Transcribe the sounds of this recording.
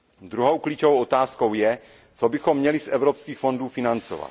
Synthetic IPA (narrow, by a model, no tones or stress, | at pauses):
d̪ɾuɦowklit͡ʃovowʔot̪aːskowjɛ | t͡sobɪxo̞mːɲɛlɪsʔɛvɾopskiːxfo̞nduːfɪnant͡so̞̰va̰t̪